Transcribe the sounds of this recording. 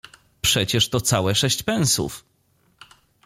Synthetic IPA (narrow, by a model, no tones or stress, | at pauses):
pʂɛt͡ɕɛʂt̪ɔt̪sawɛʂɛɕt͡ɕpɛñsṵf